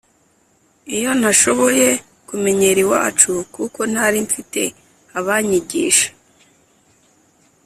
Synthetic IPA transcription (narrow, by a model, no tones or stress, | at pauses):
ijo̞n̥haʃo̞βo̞je̞ | kume̞ɲe̞ɾiwa̰ːt͡ʃukuko̞n̥haɾiɱfite̞ | aβaɲiɟiːʃḁ